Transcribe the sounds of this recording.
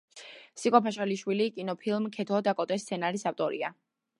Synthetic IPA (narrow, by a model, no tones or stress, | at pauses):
sikʼɔpʰaʃaliʃwilikʼinɔpʰilˠmkʰɛt̪ʰɔd̪akʼɔt̪ʼɛst̪sʰɛnaɾisaft̪ʼɔɾḭa̰